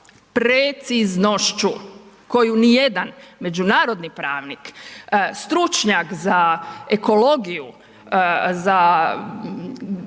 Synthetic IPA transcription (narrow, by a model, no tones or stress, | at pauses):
pɾet̪siznoʃt͡ʃu | ko̞junije̞d̪anme̞d͡ʒunaːɾo̞d̪nipɾaːʋnikst̪ɾut͡ʃɲakzaeko̞lo̞ɡiju | za